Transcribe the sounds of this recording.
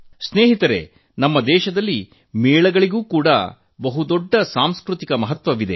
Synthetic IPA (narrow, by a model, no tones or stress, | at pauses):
sneːɦit̪ɐɾe̞̰ | nɐmːɐd̪ɛːʃɐd̪ɐlːi | mɛːɭɐɡɐɭiɡuːkuːɽɐ̰ | bɐɦud̪ɔɖːɐsaːmskɾut̪ikɐmɐɦɐt̪ʋɐʋid̪e